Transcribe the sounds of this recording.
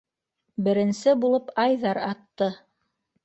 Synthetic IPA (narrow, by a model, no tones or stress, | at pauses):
bɘ̆ɾɘ̆nsɘbulˠɤpɑjðɑɾɑt̪ːɤ